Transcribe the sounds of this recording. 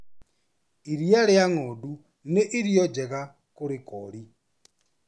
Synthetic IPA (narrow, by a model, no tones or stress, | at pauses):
iɾijaleaŋɔdu | neʔiɾjɔd͡ʒɛɣa | kuɾikɔli